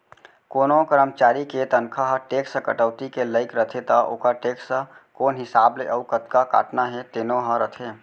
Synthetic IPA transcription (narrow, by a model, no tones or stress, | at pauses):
koːnokəɾəmt͡ʃaːɾiket̪ənkʰaɦəʈeːksə̃kə̰ʈəʊt̪ikeləɪkɾət̪ʰet̪aʔo̰ːkaʈeːksəkoːnɦɪsaːbleʔəukət̪kaka̰ːʈnaɦɛt̪enoɦəɾət̪ʰe